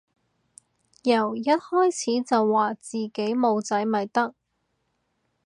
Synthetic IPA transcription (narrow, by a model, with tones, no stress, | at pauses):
jɐ˨˩wjɐ˥t̚hɔː˥jt͡sʰiː˨˥t͡sɐ˨wːaː˨˩t͡siː˨˩ke˨˥jmo˨˧wt͡sɐ˨˥jmɐ˨˩jt̪ɐ˥k̚